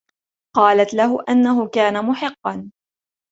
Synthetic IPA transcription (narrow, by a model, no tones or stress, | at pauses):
qɑːlat̪laɦʊʔanːaɦʊkaːnamʊħɪqːɑn